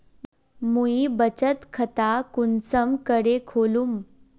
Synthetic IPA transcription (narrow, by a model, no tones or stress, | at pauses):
muibət͡ɕət̪kʰət̪akunsəmkəɽekʰolum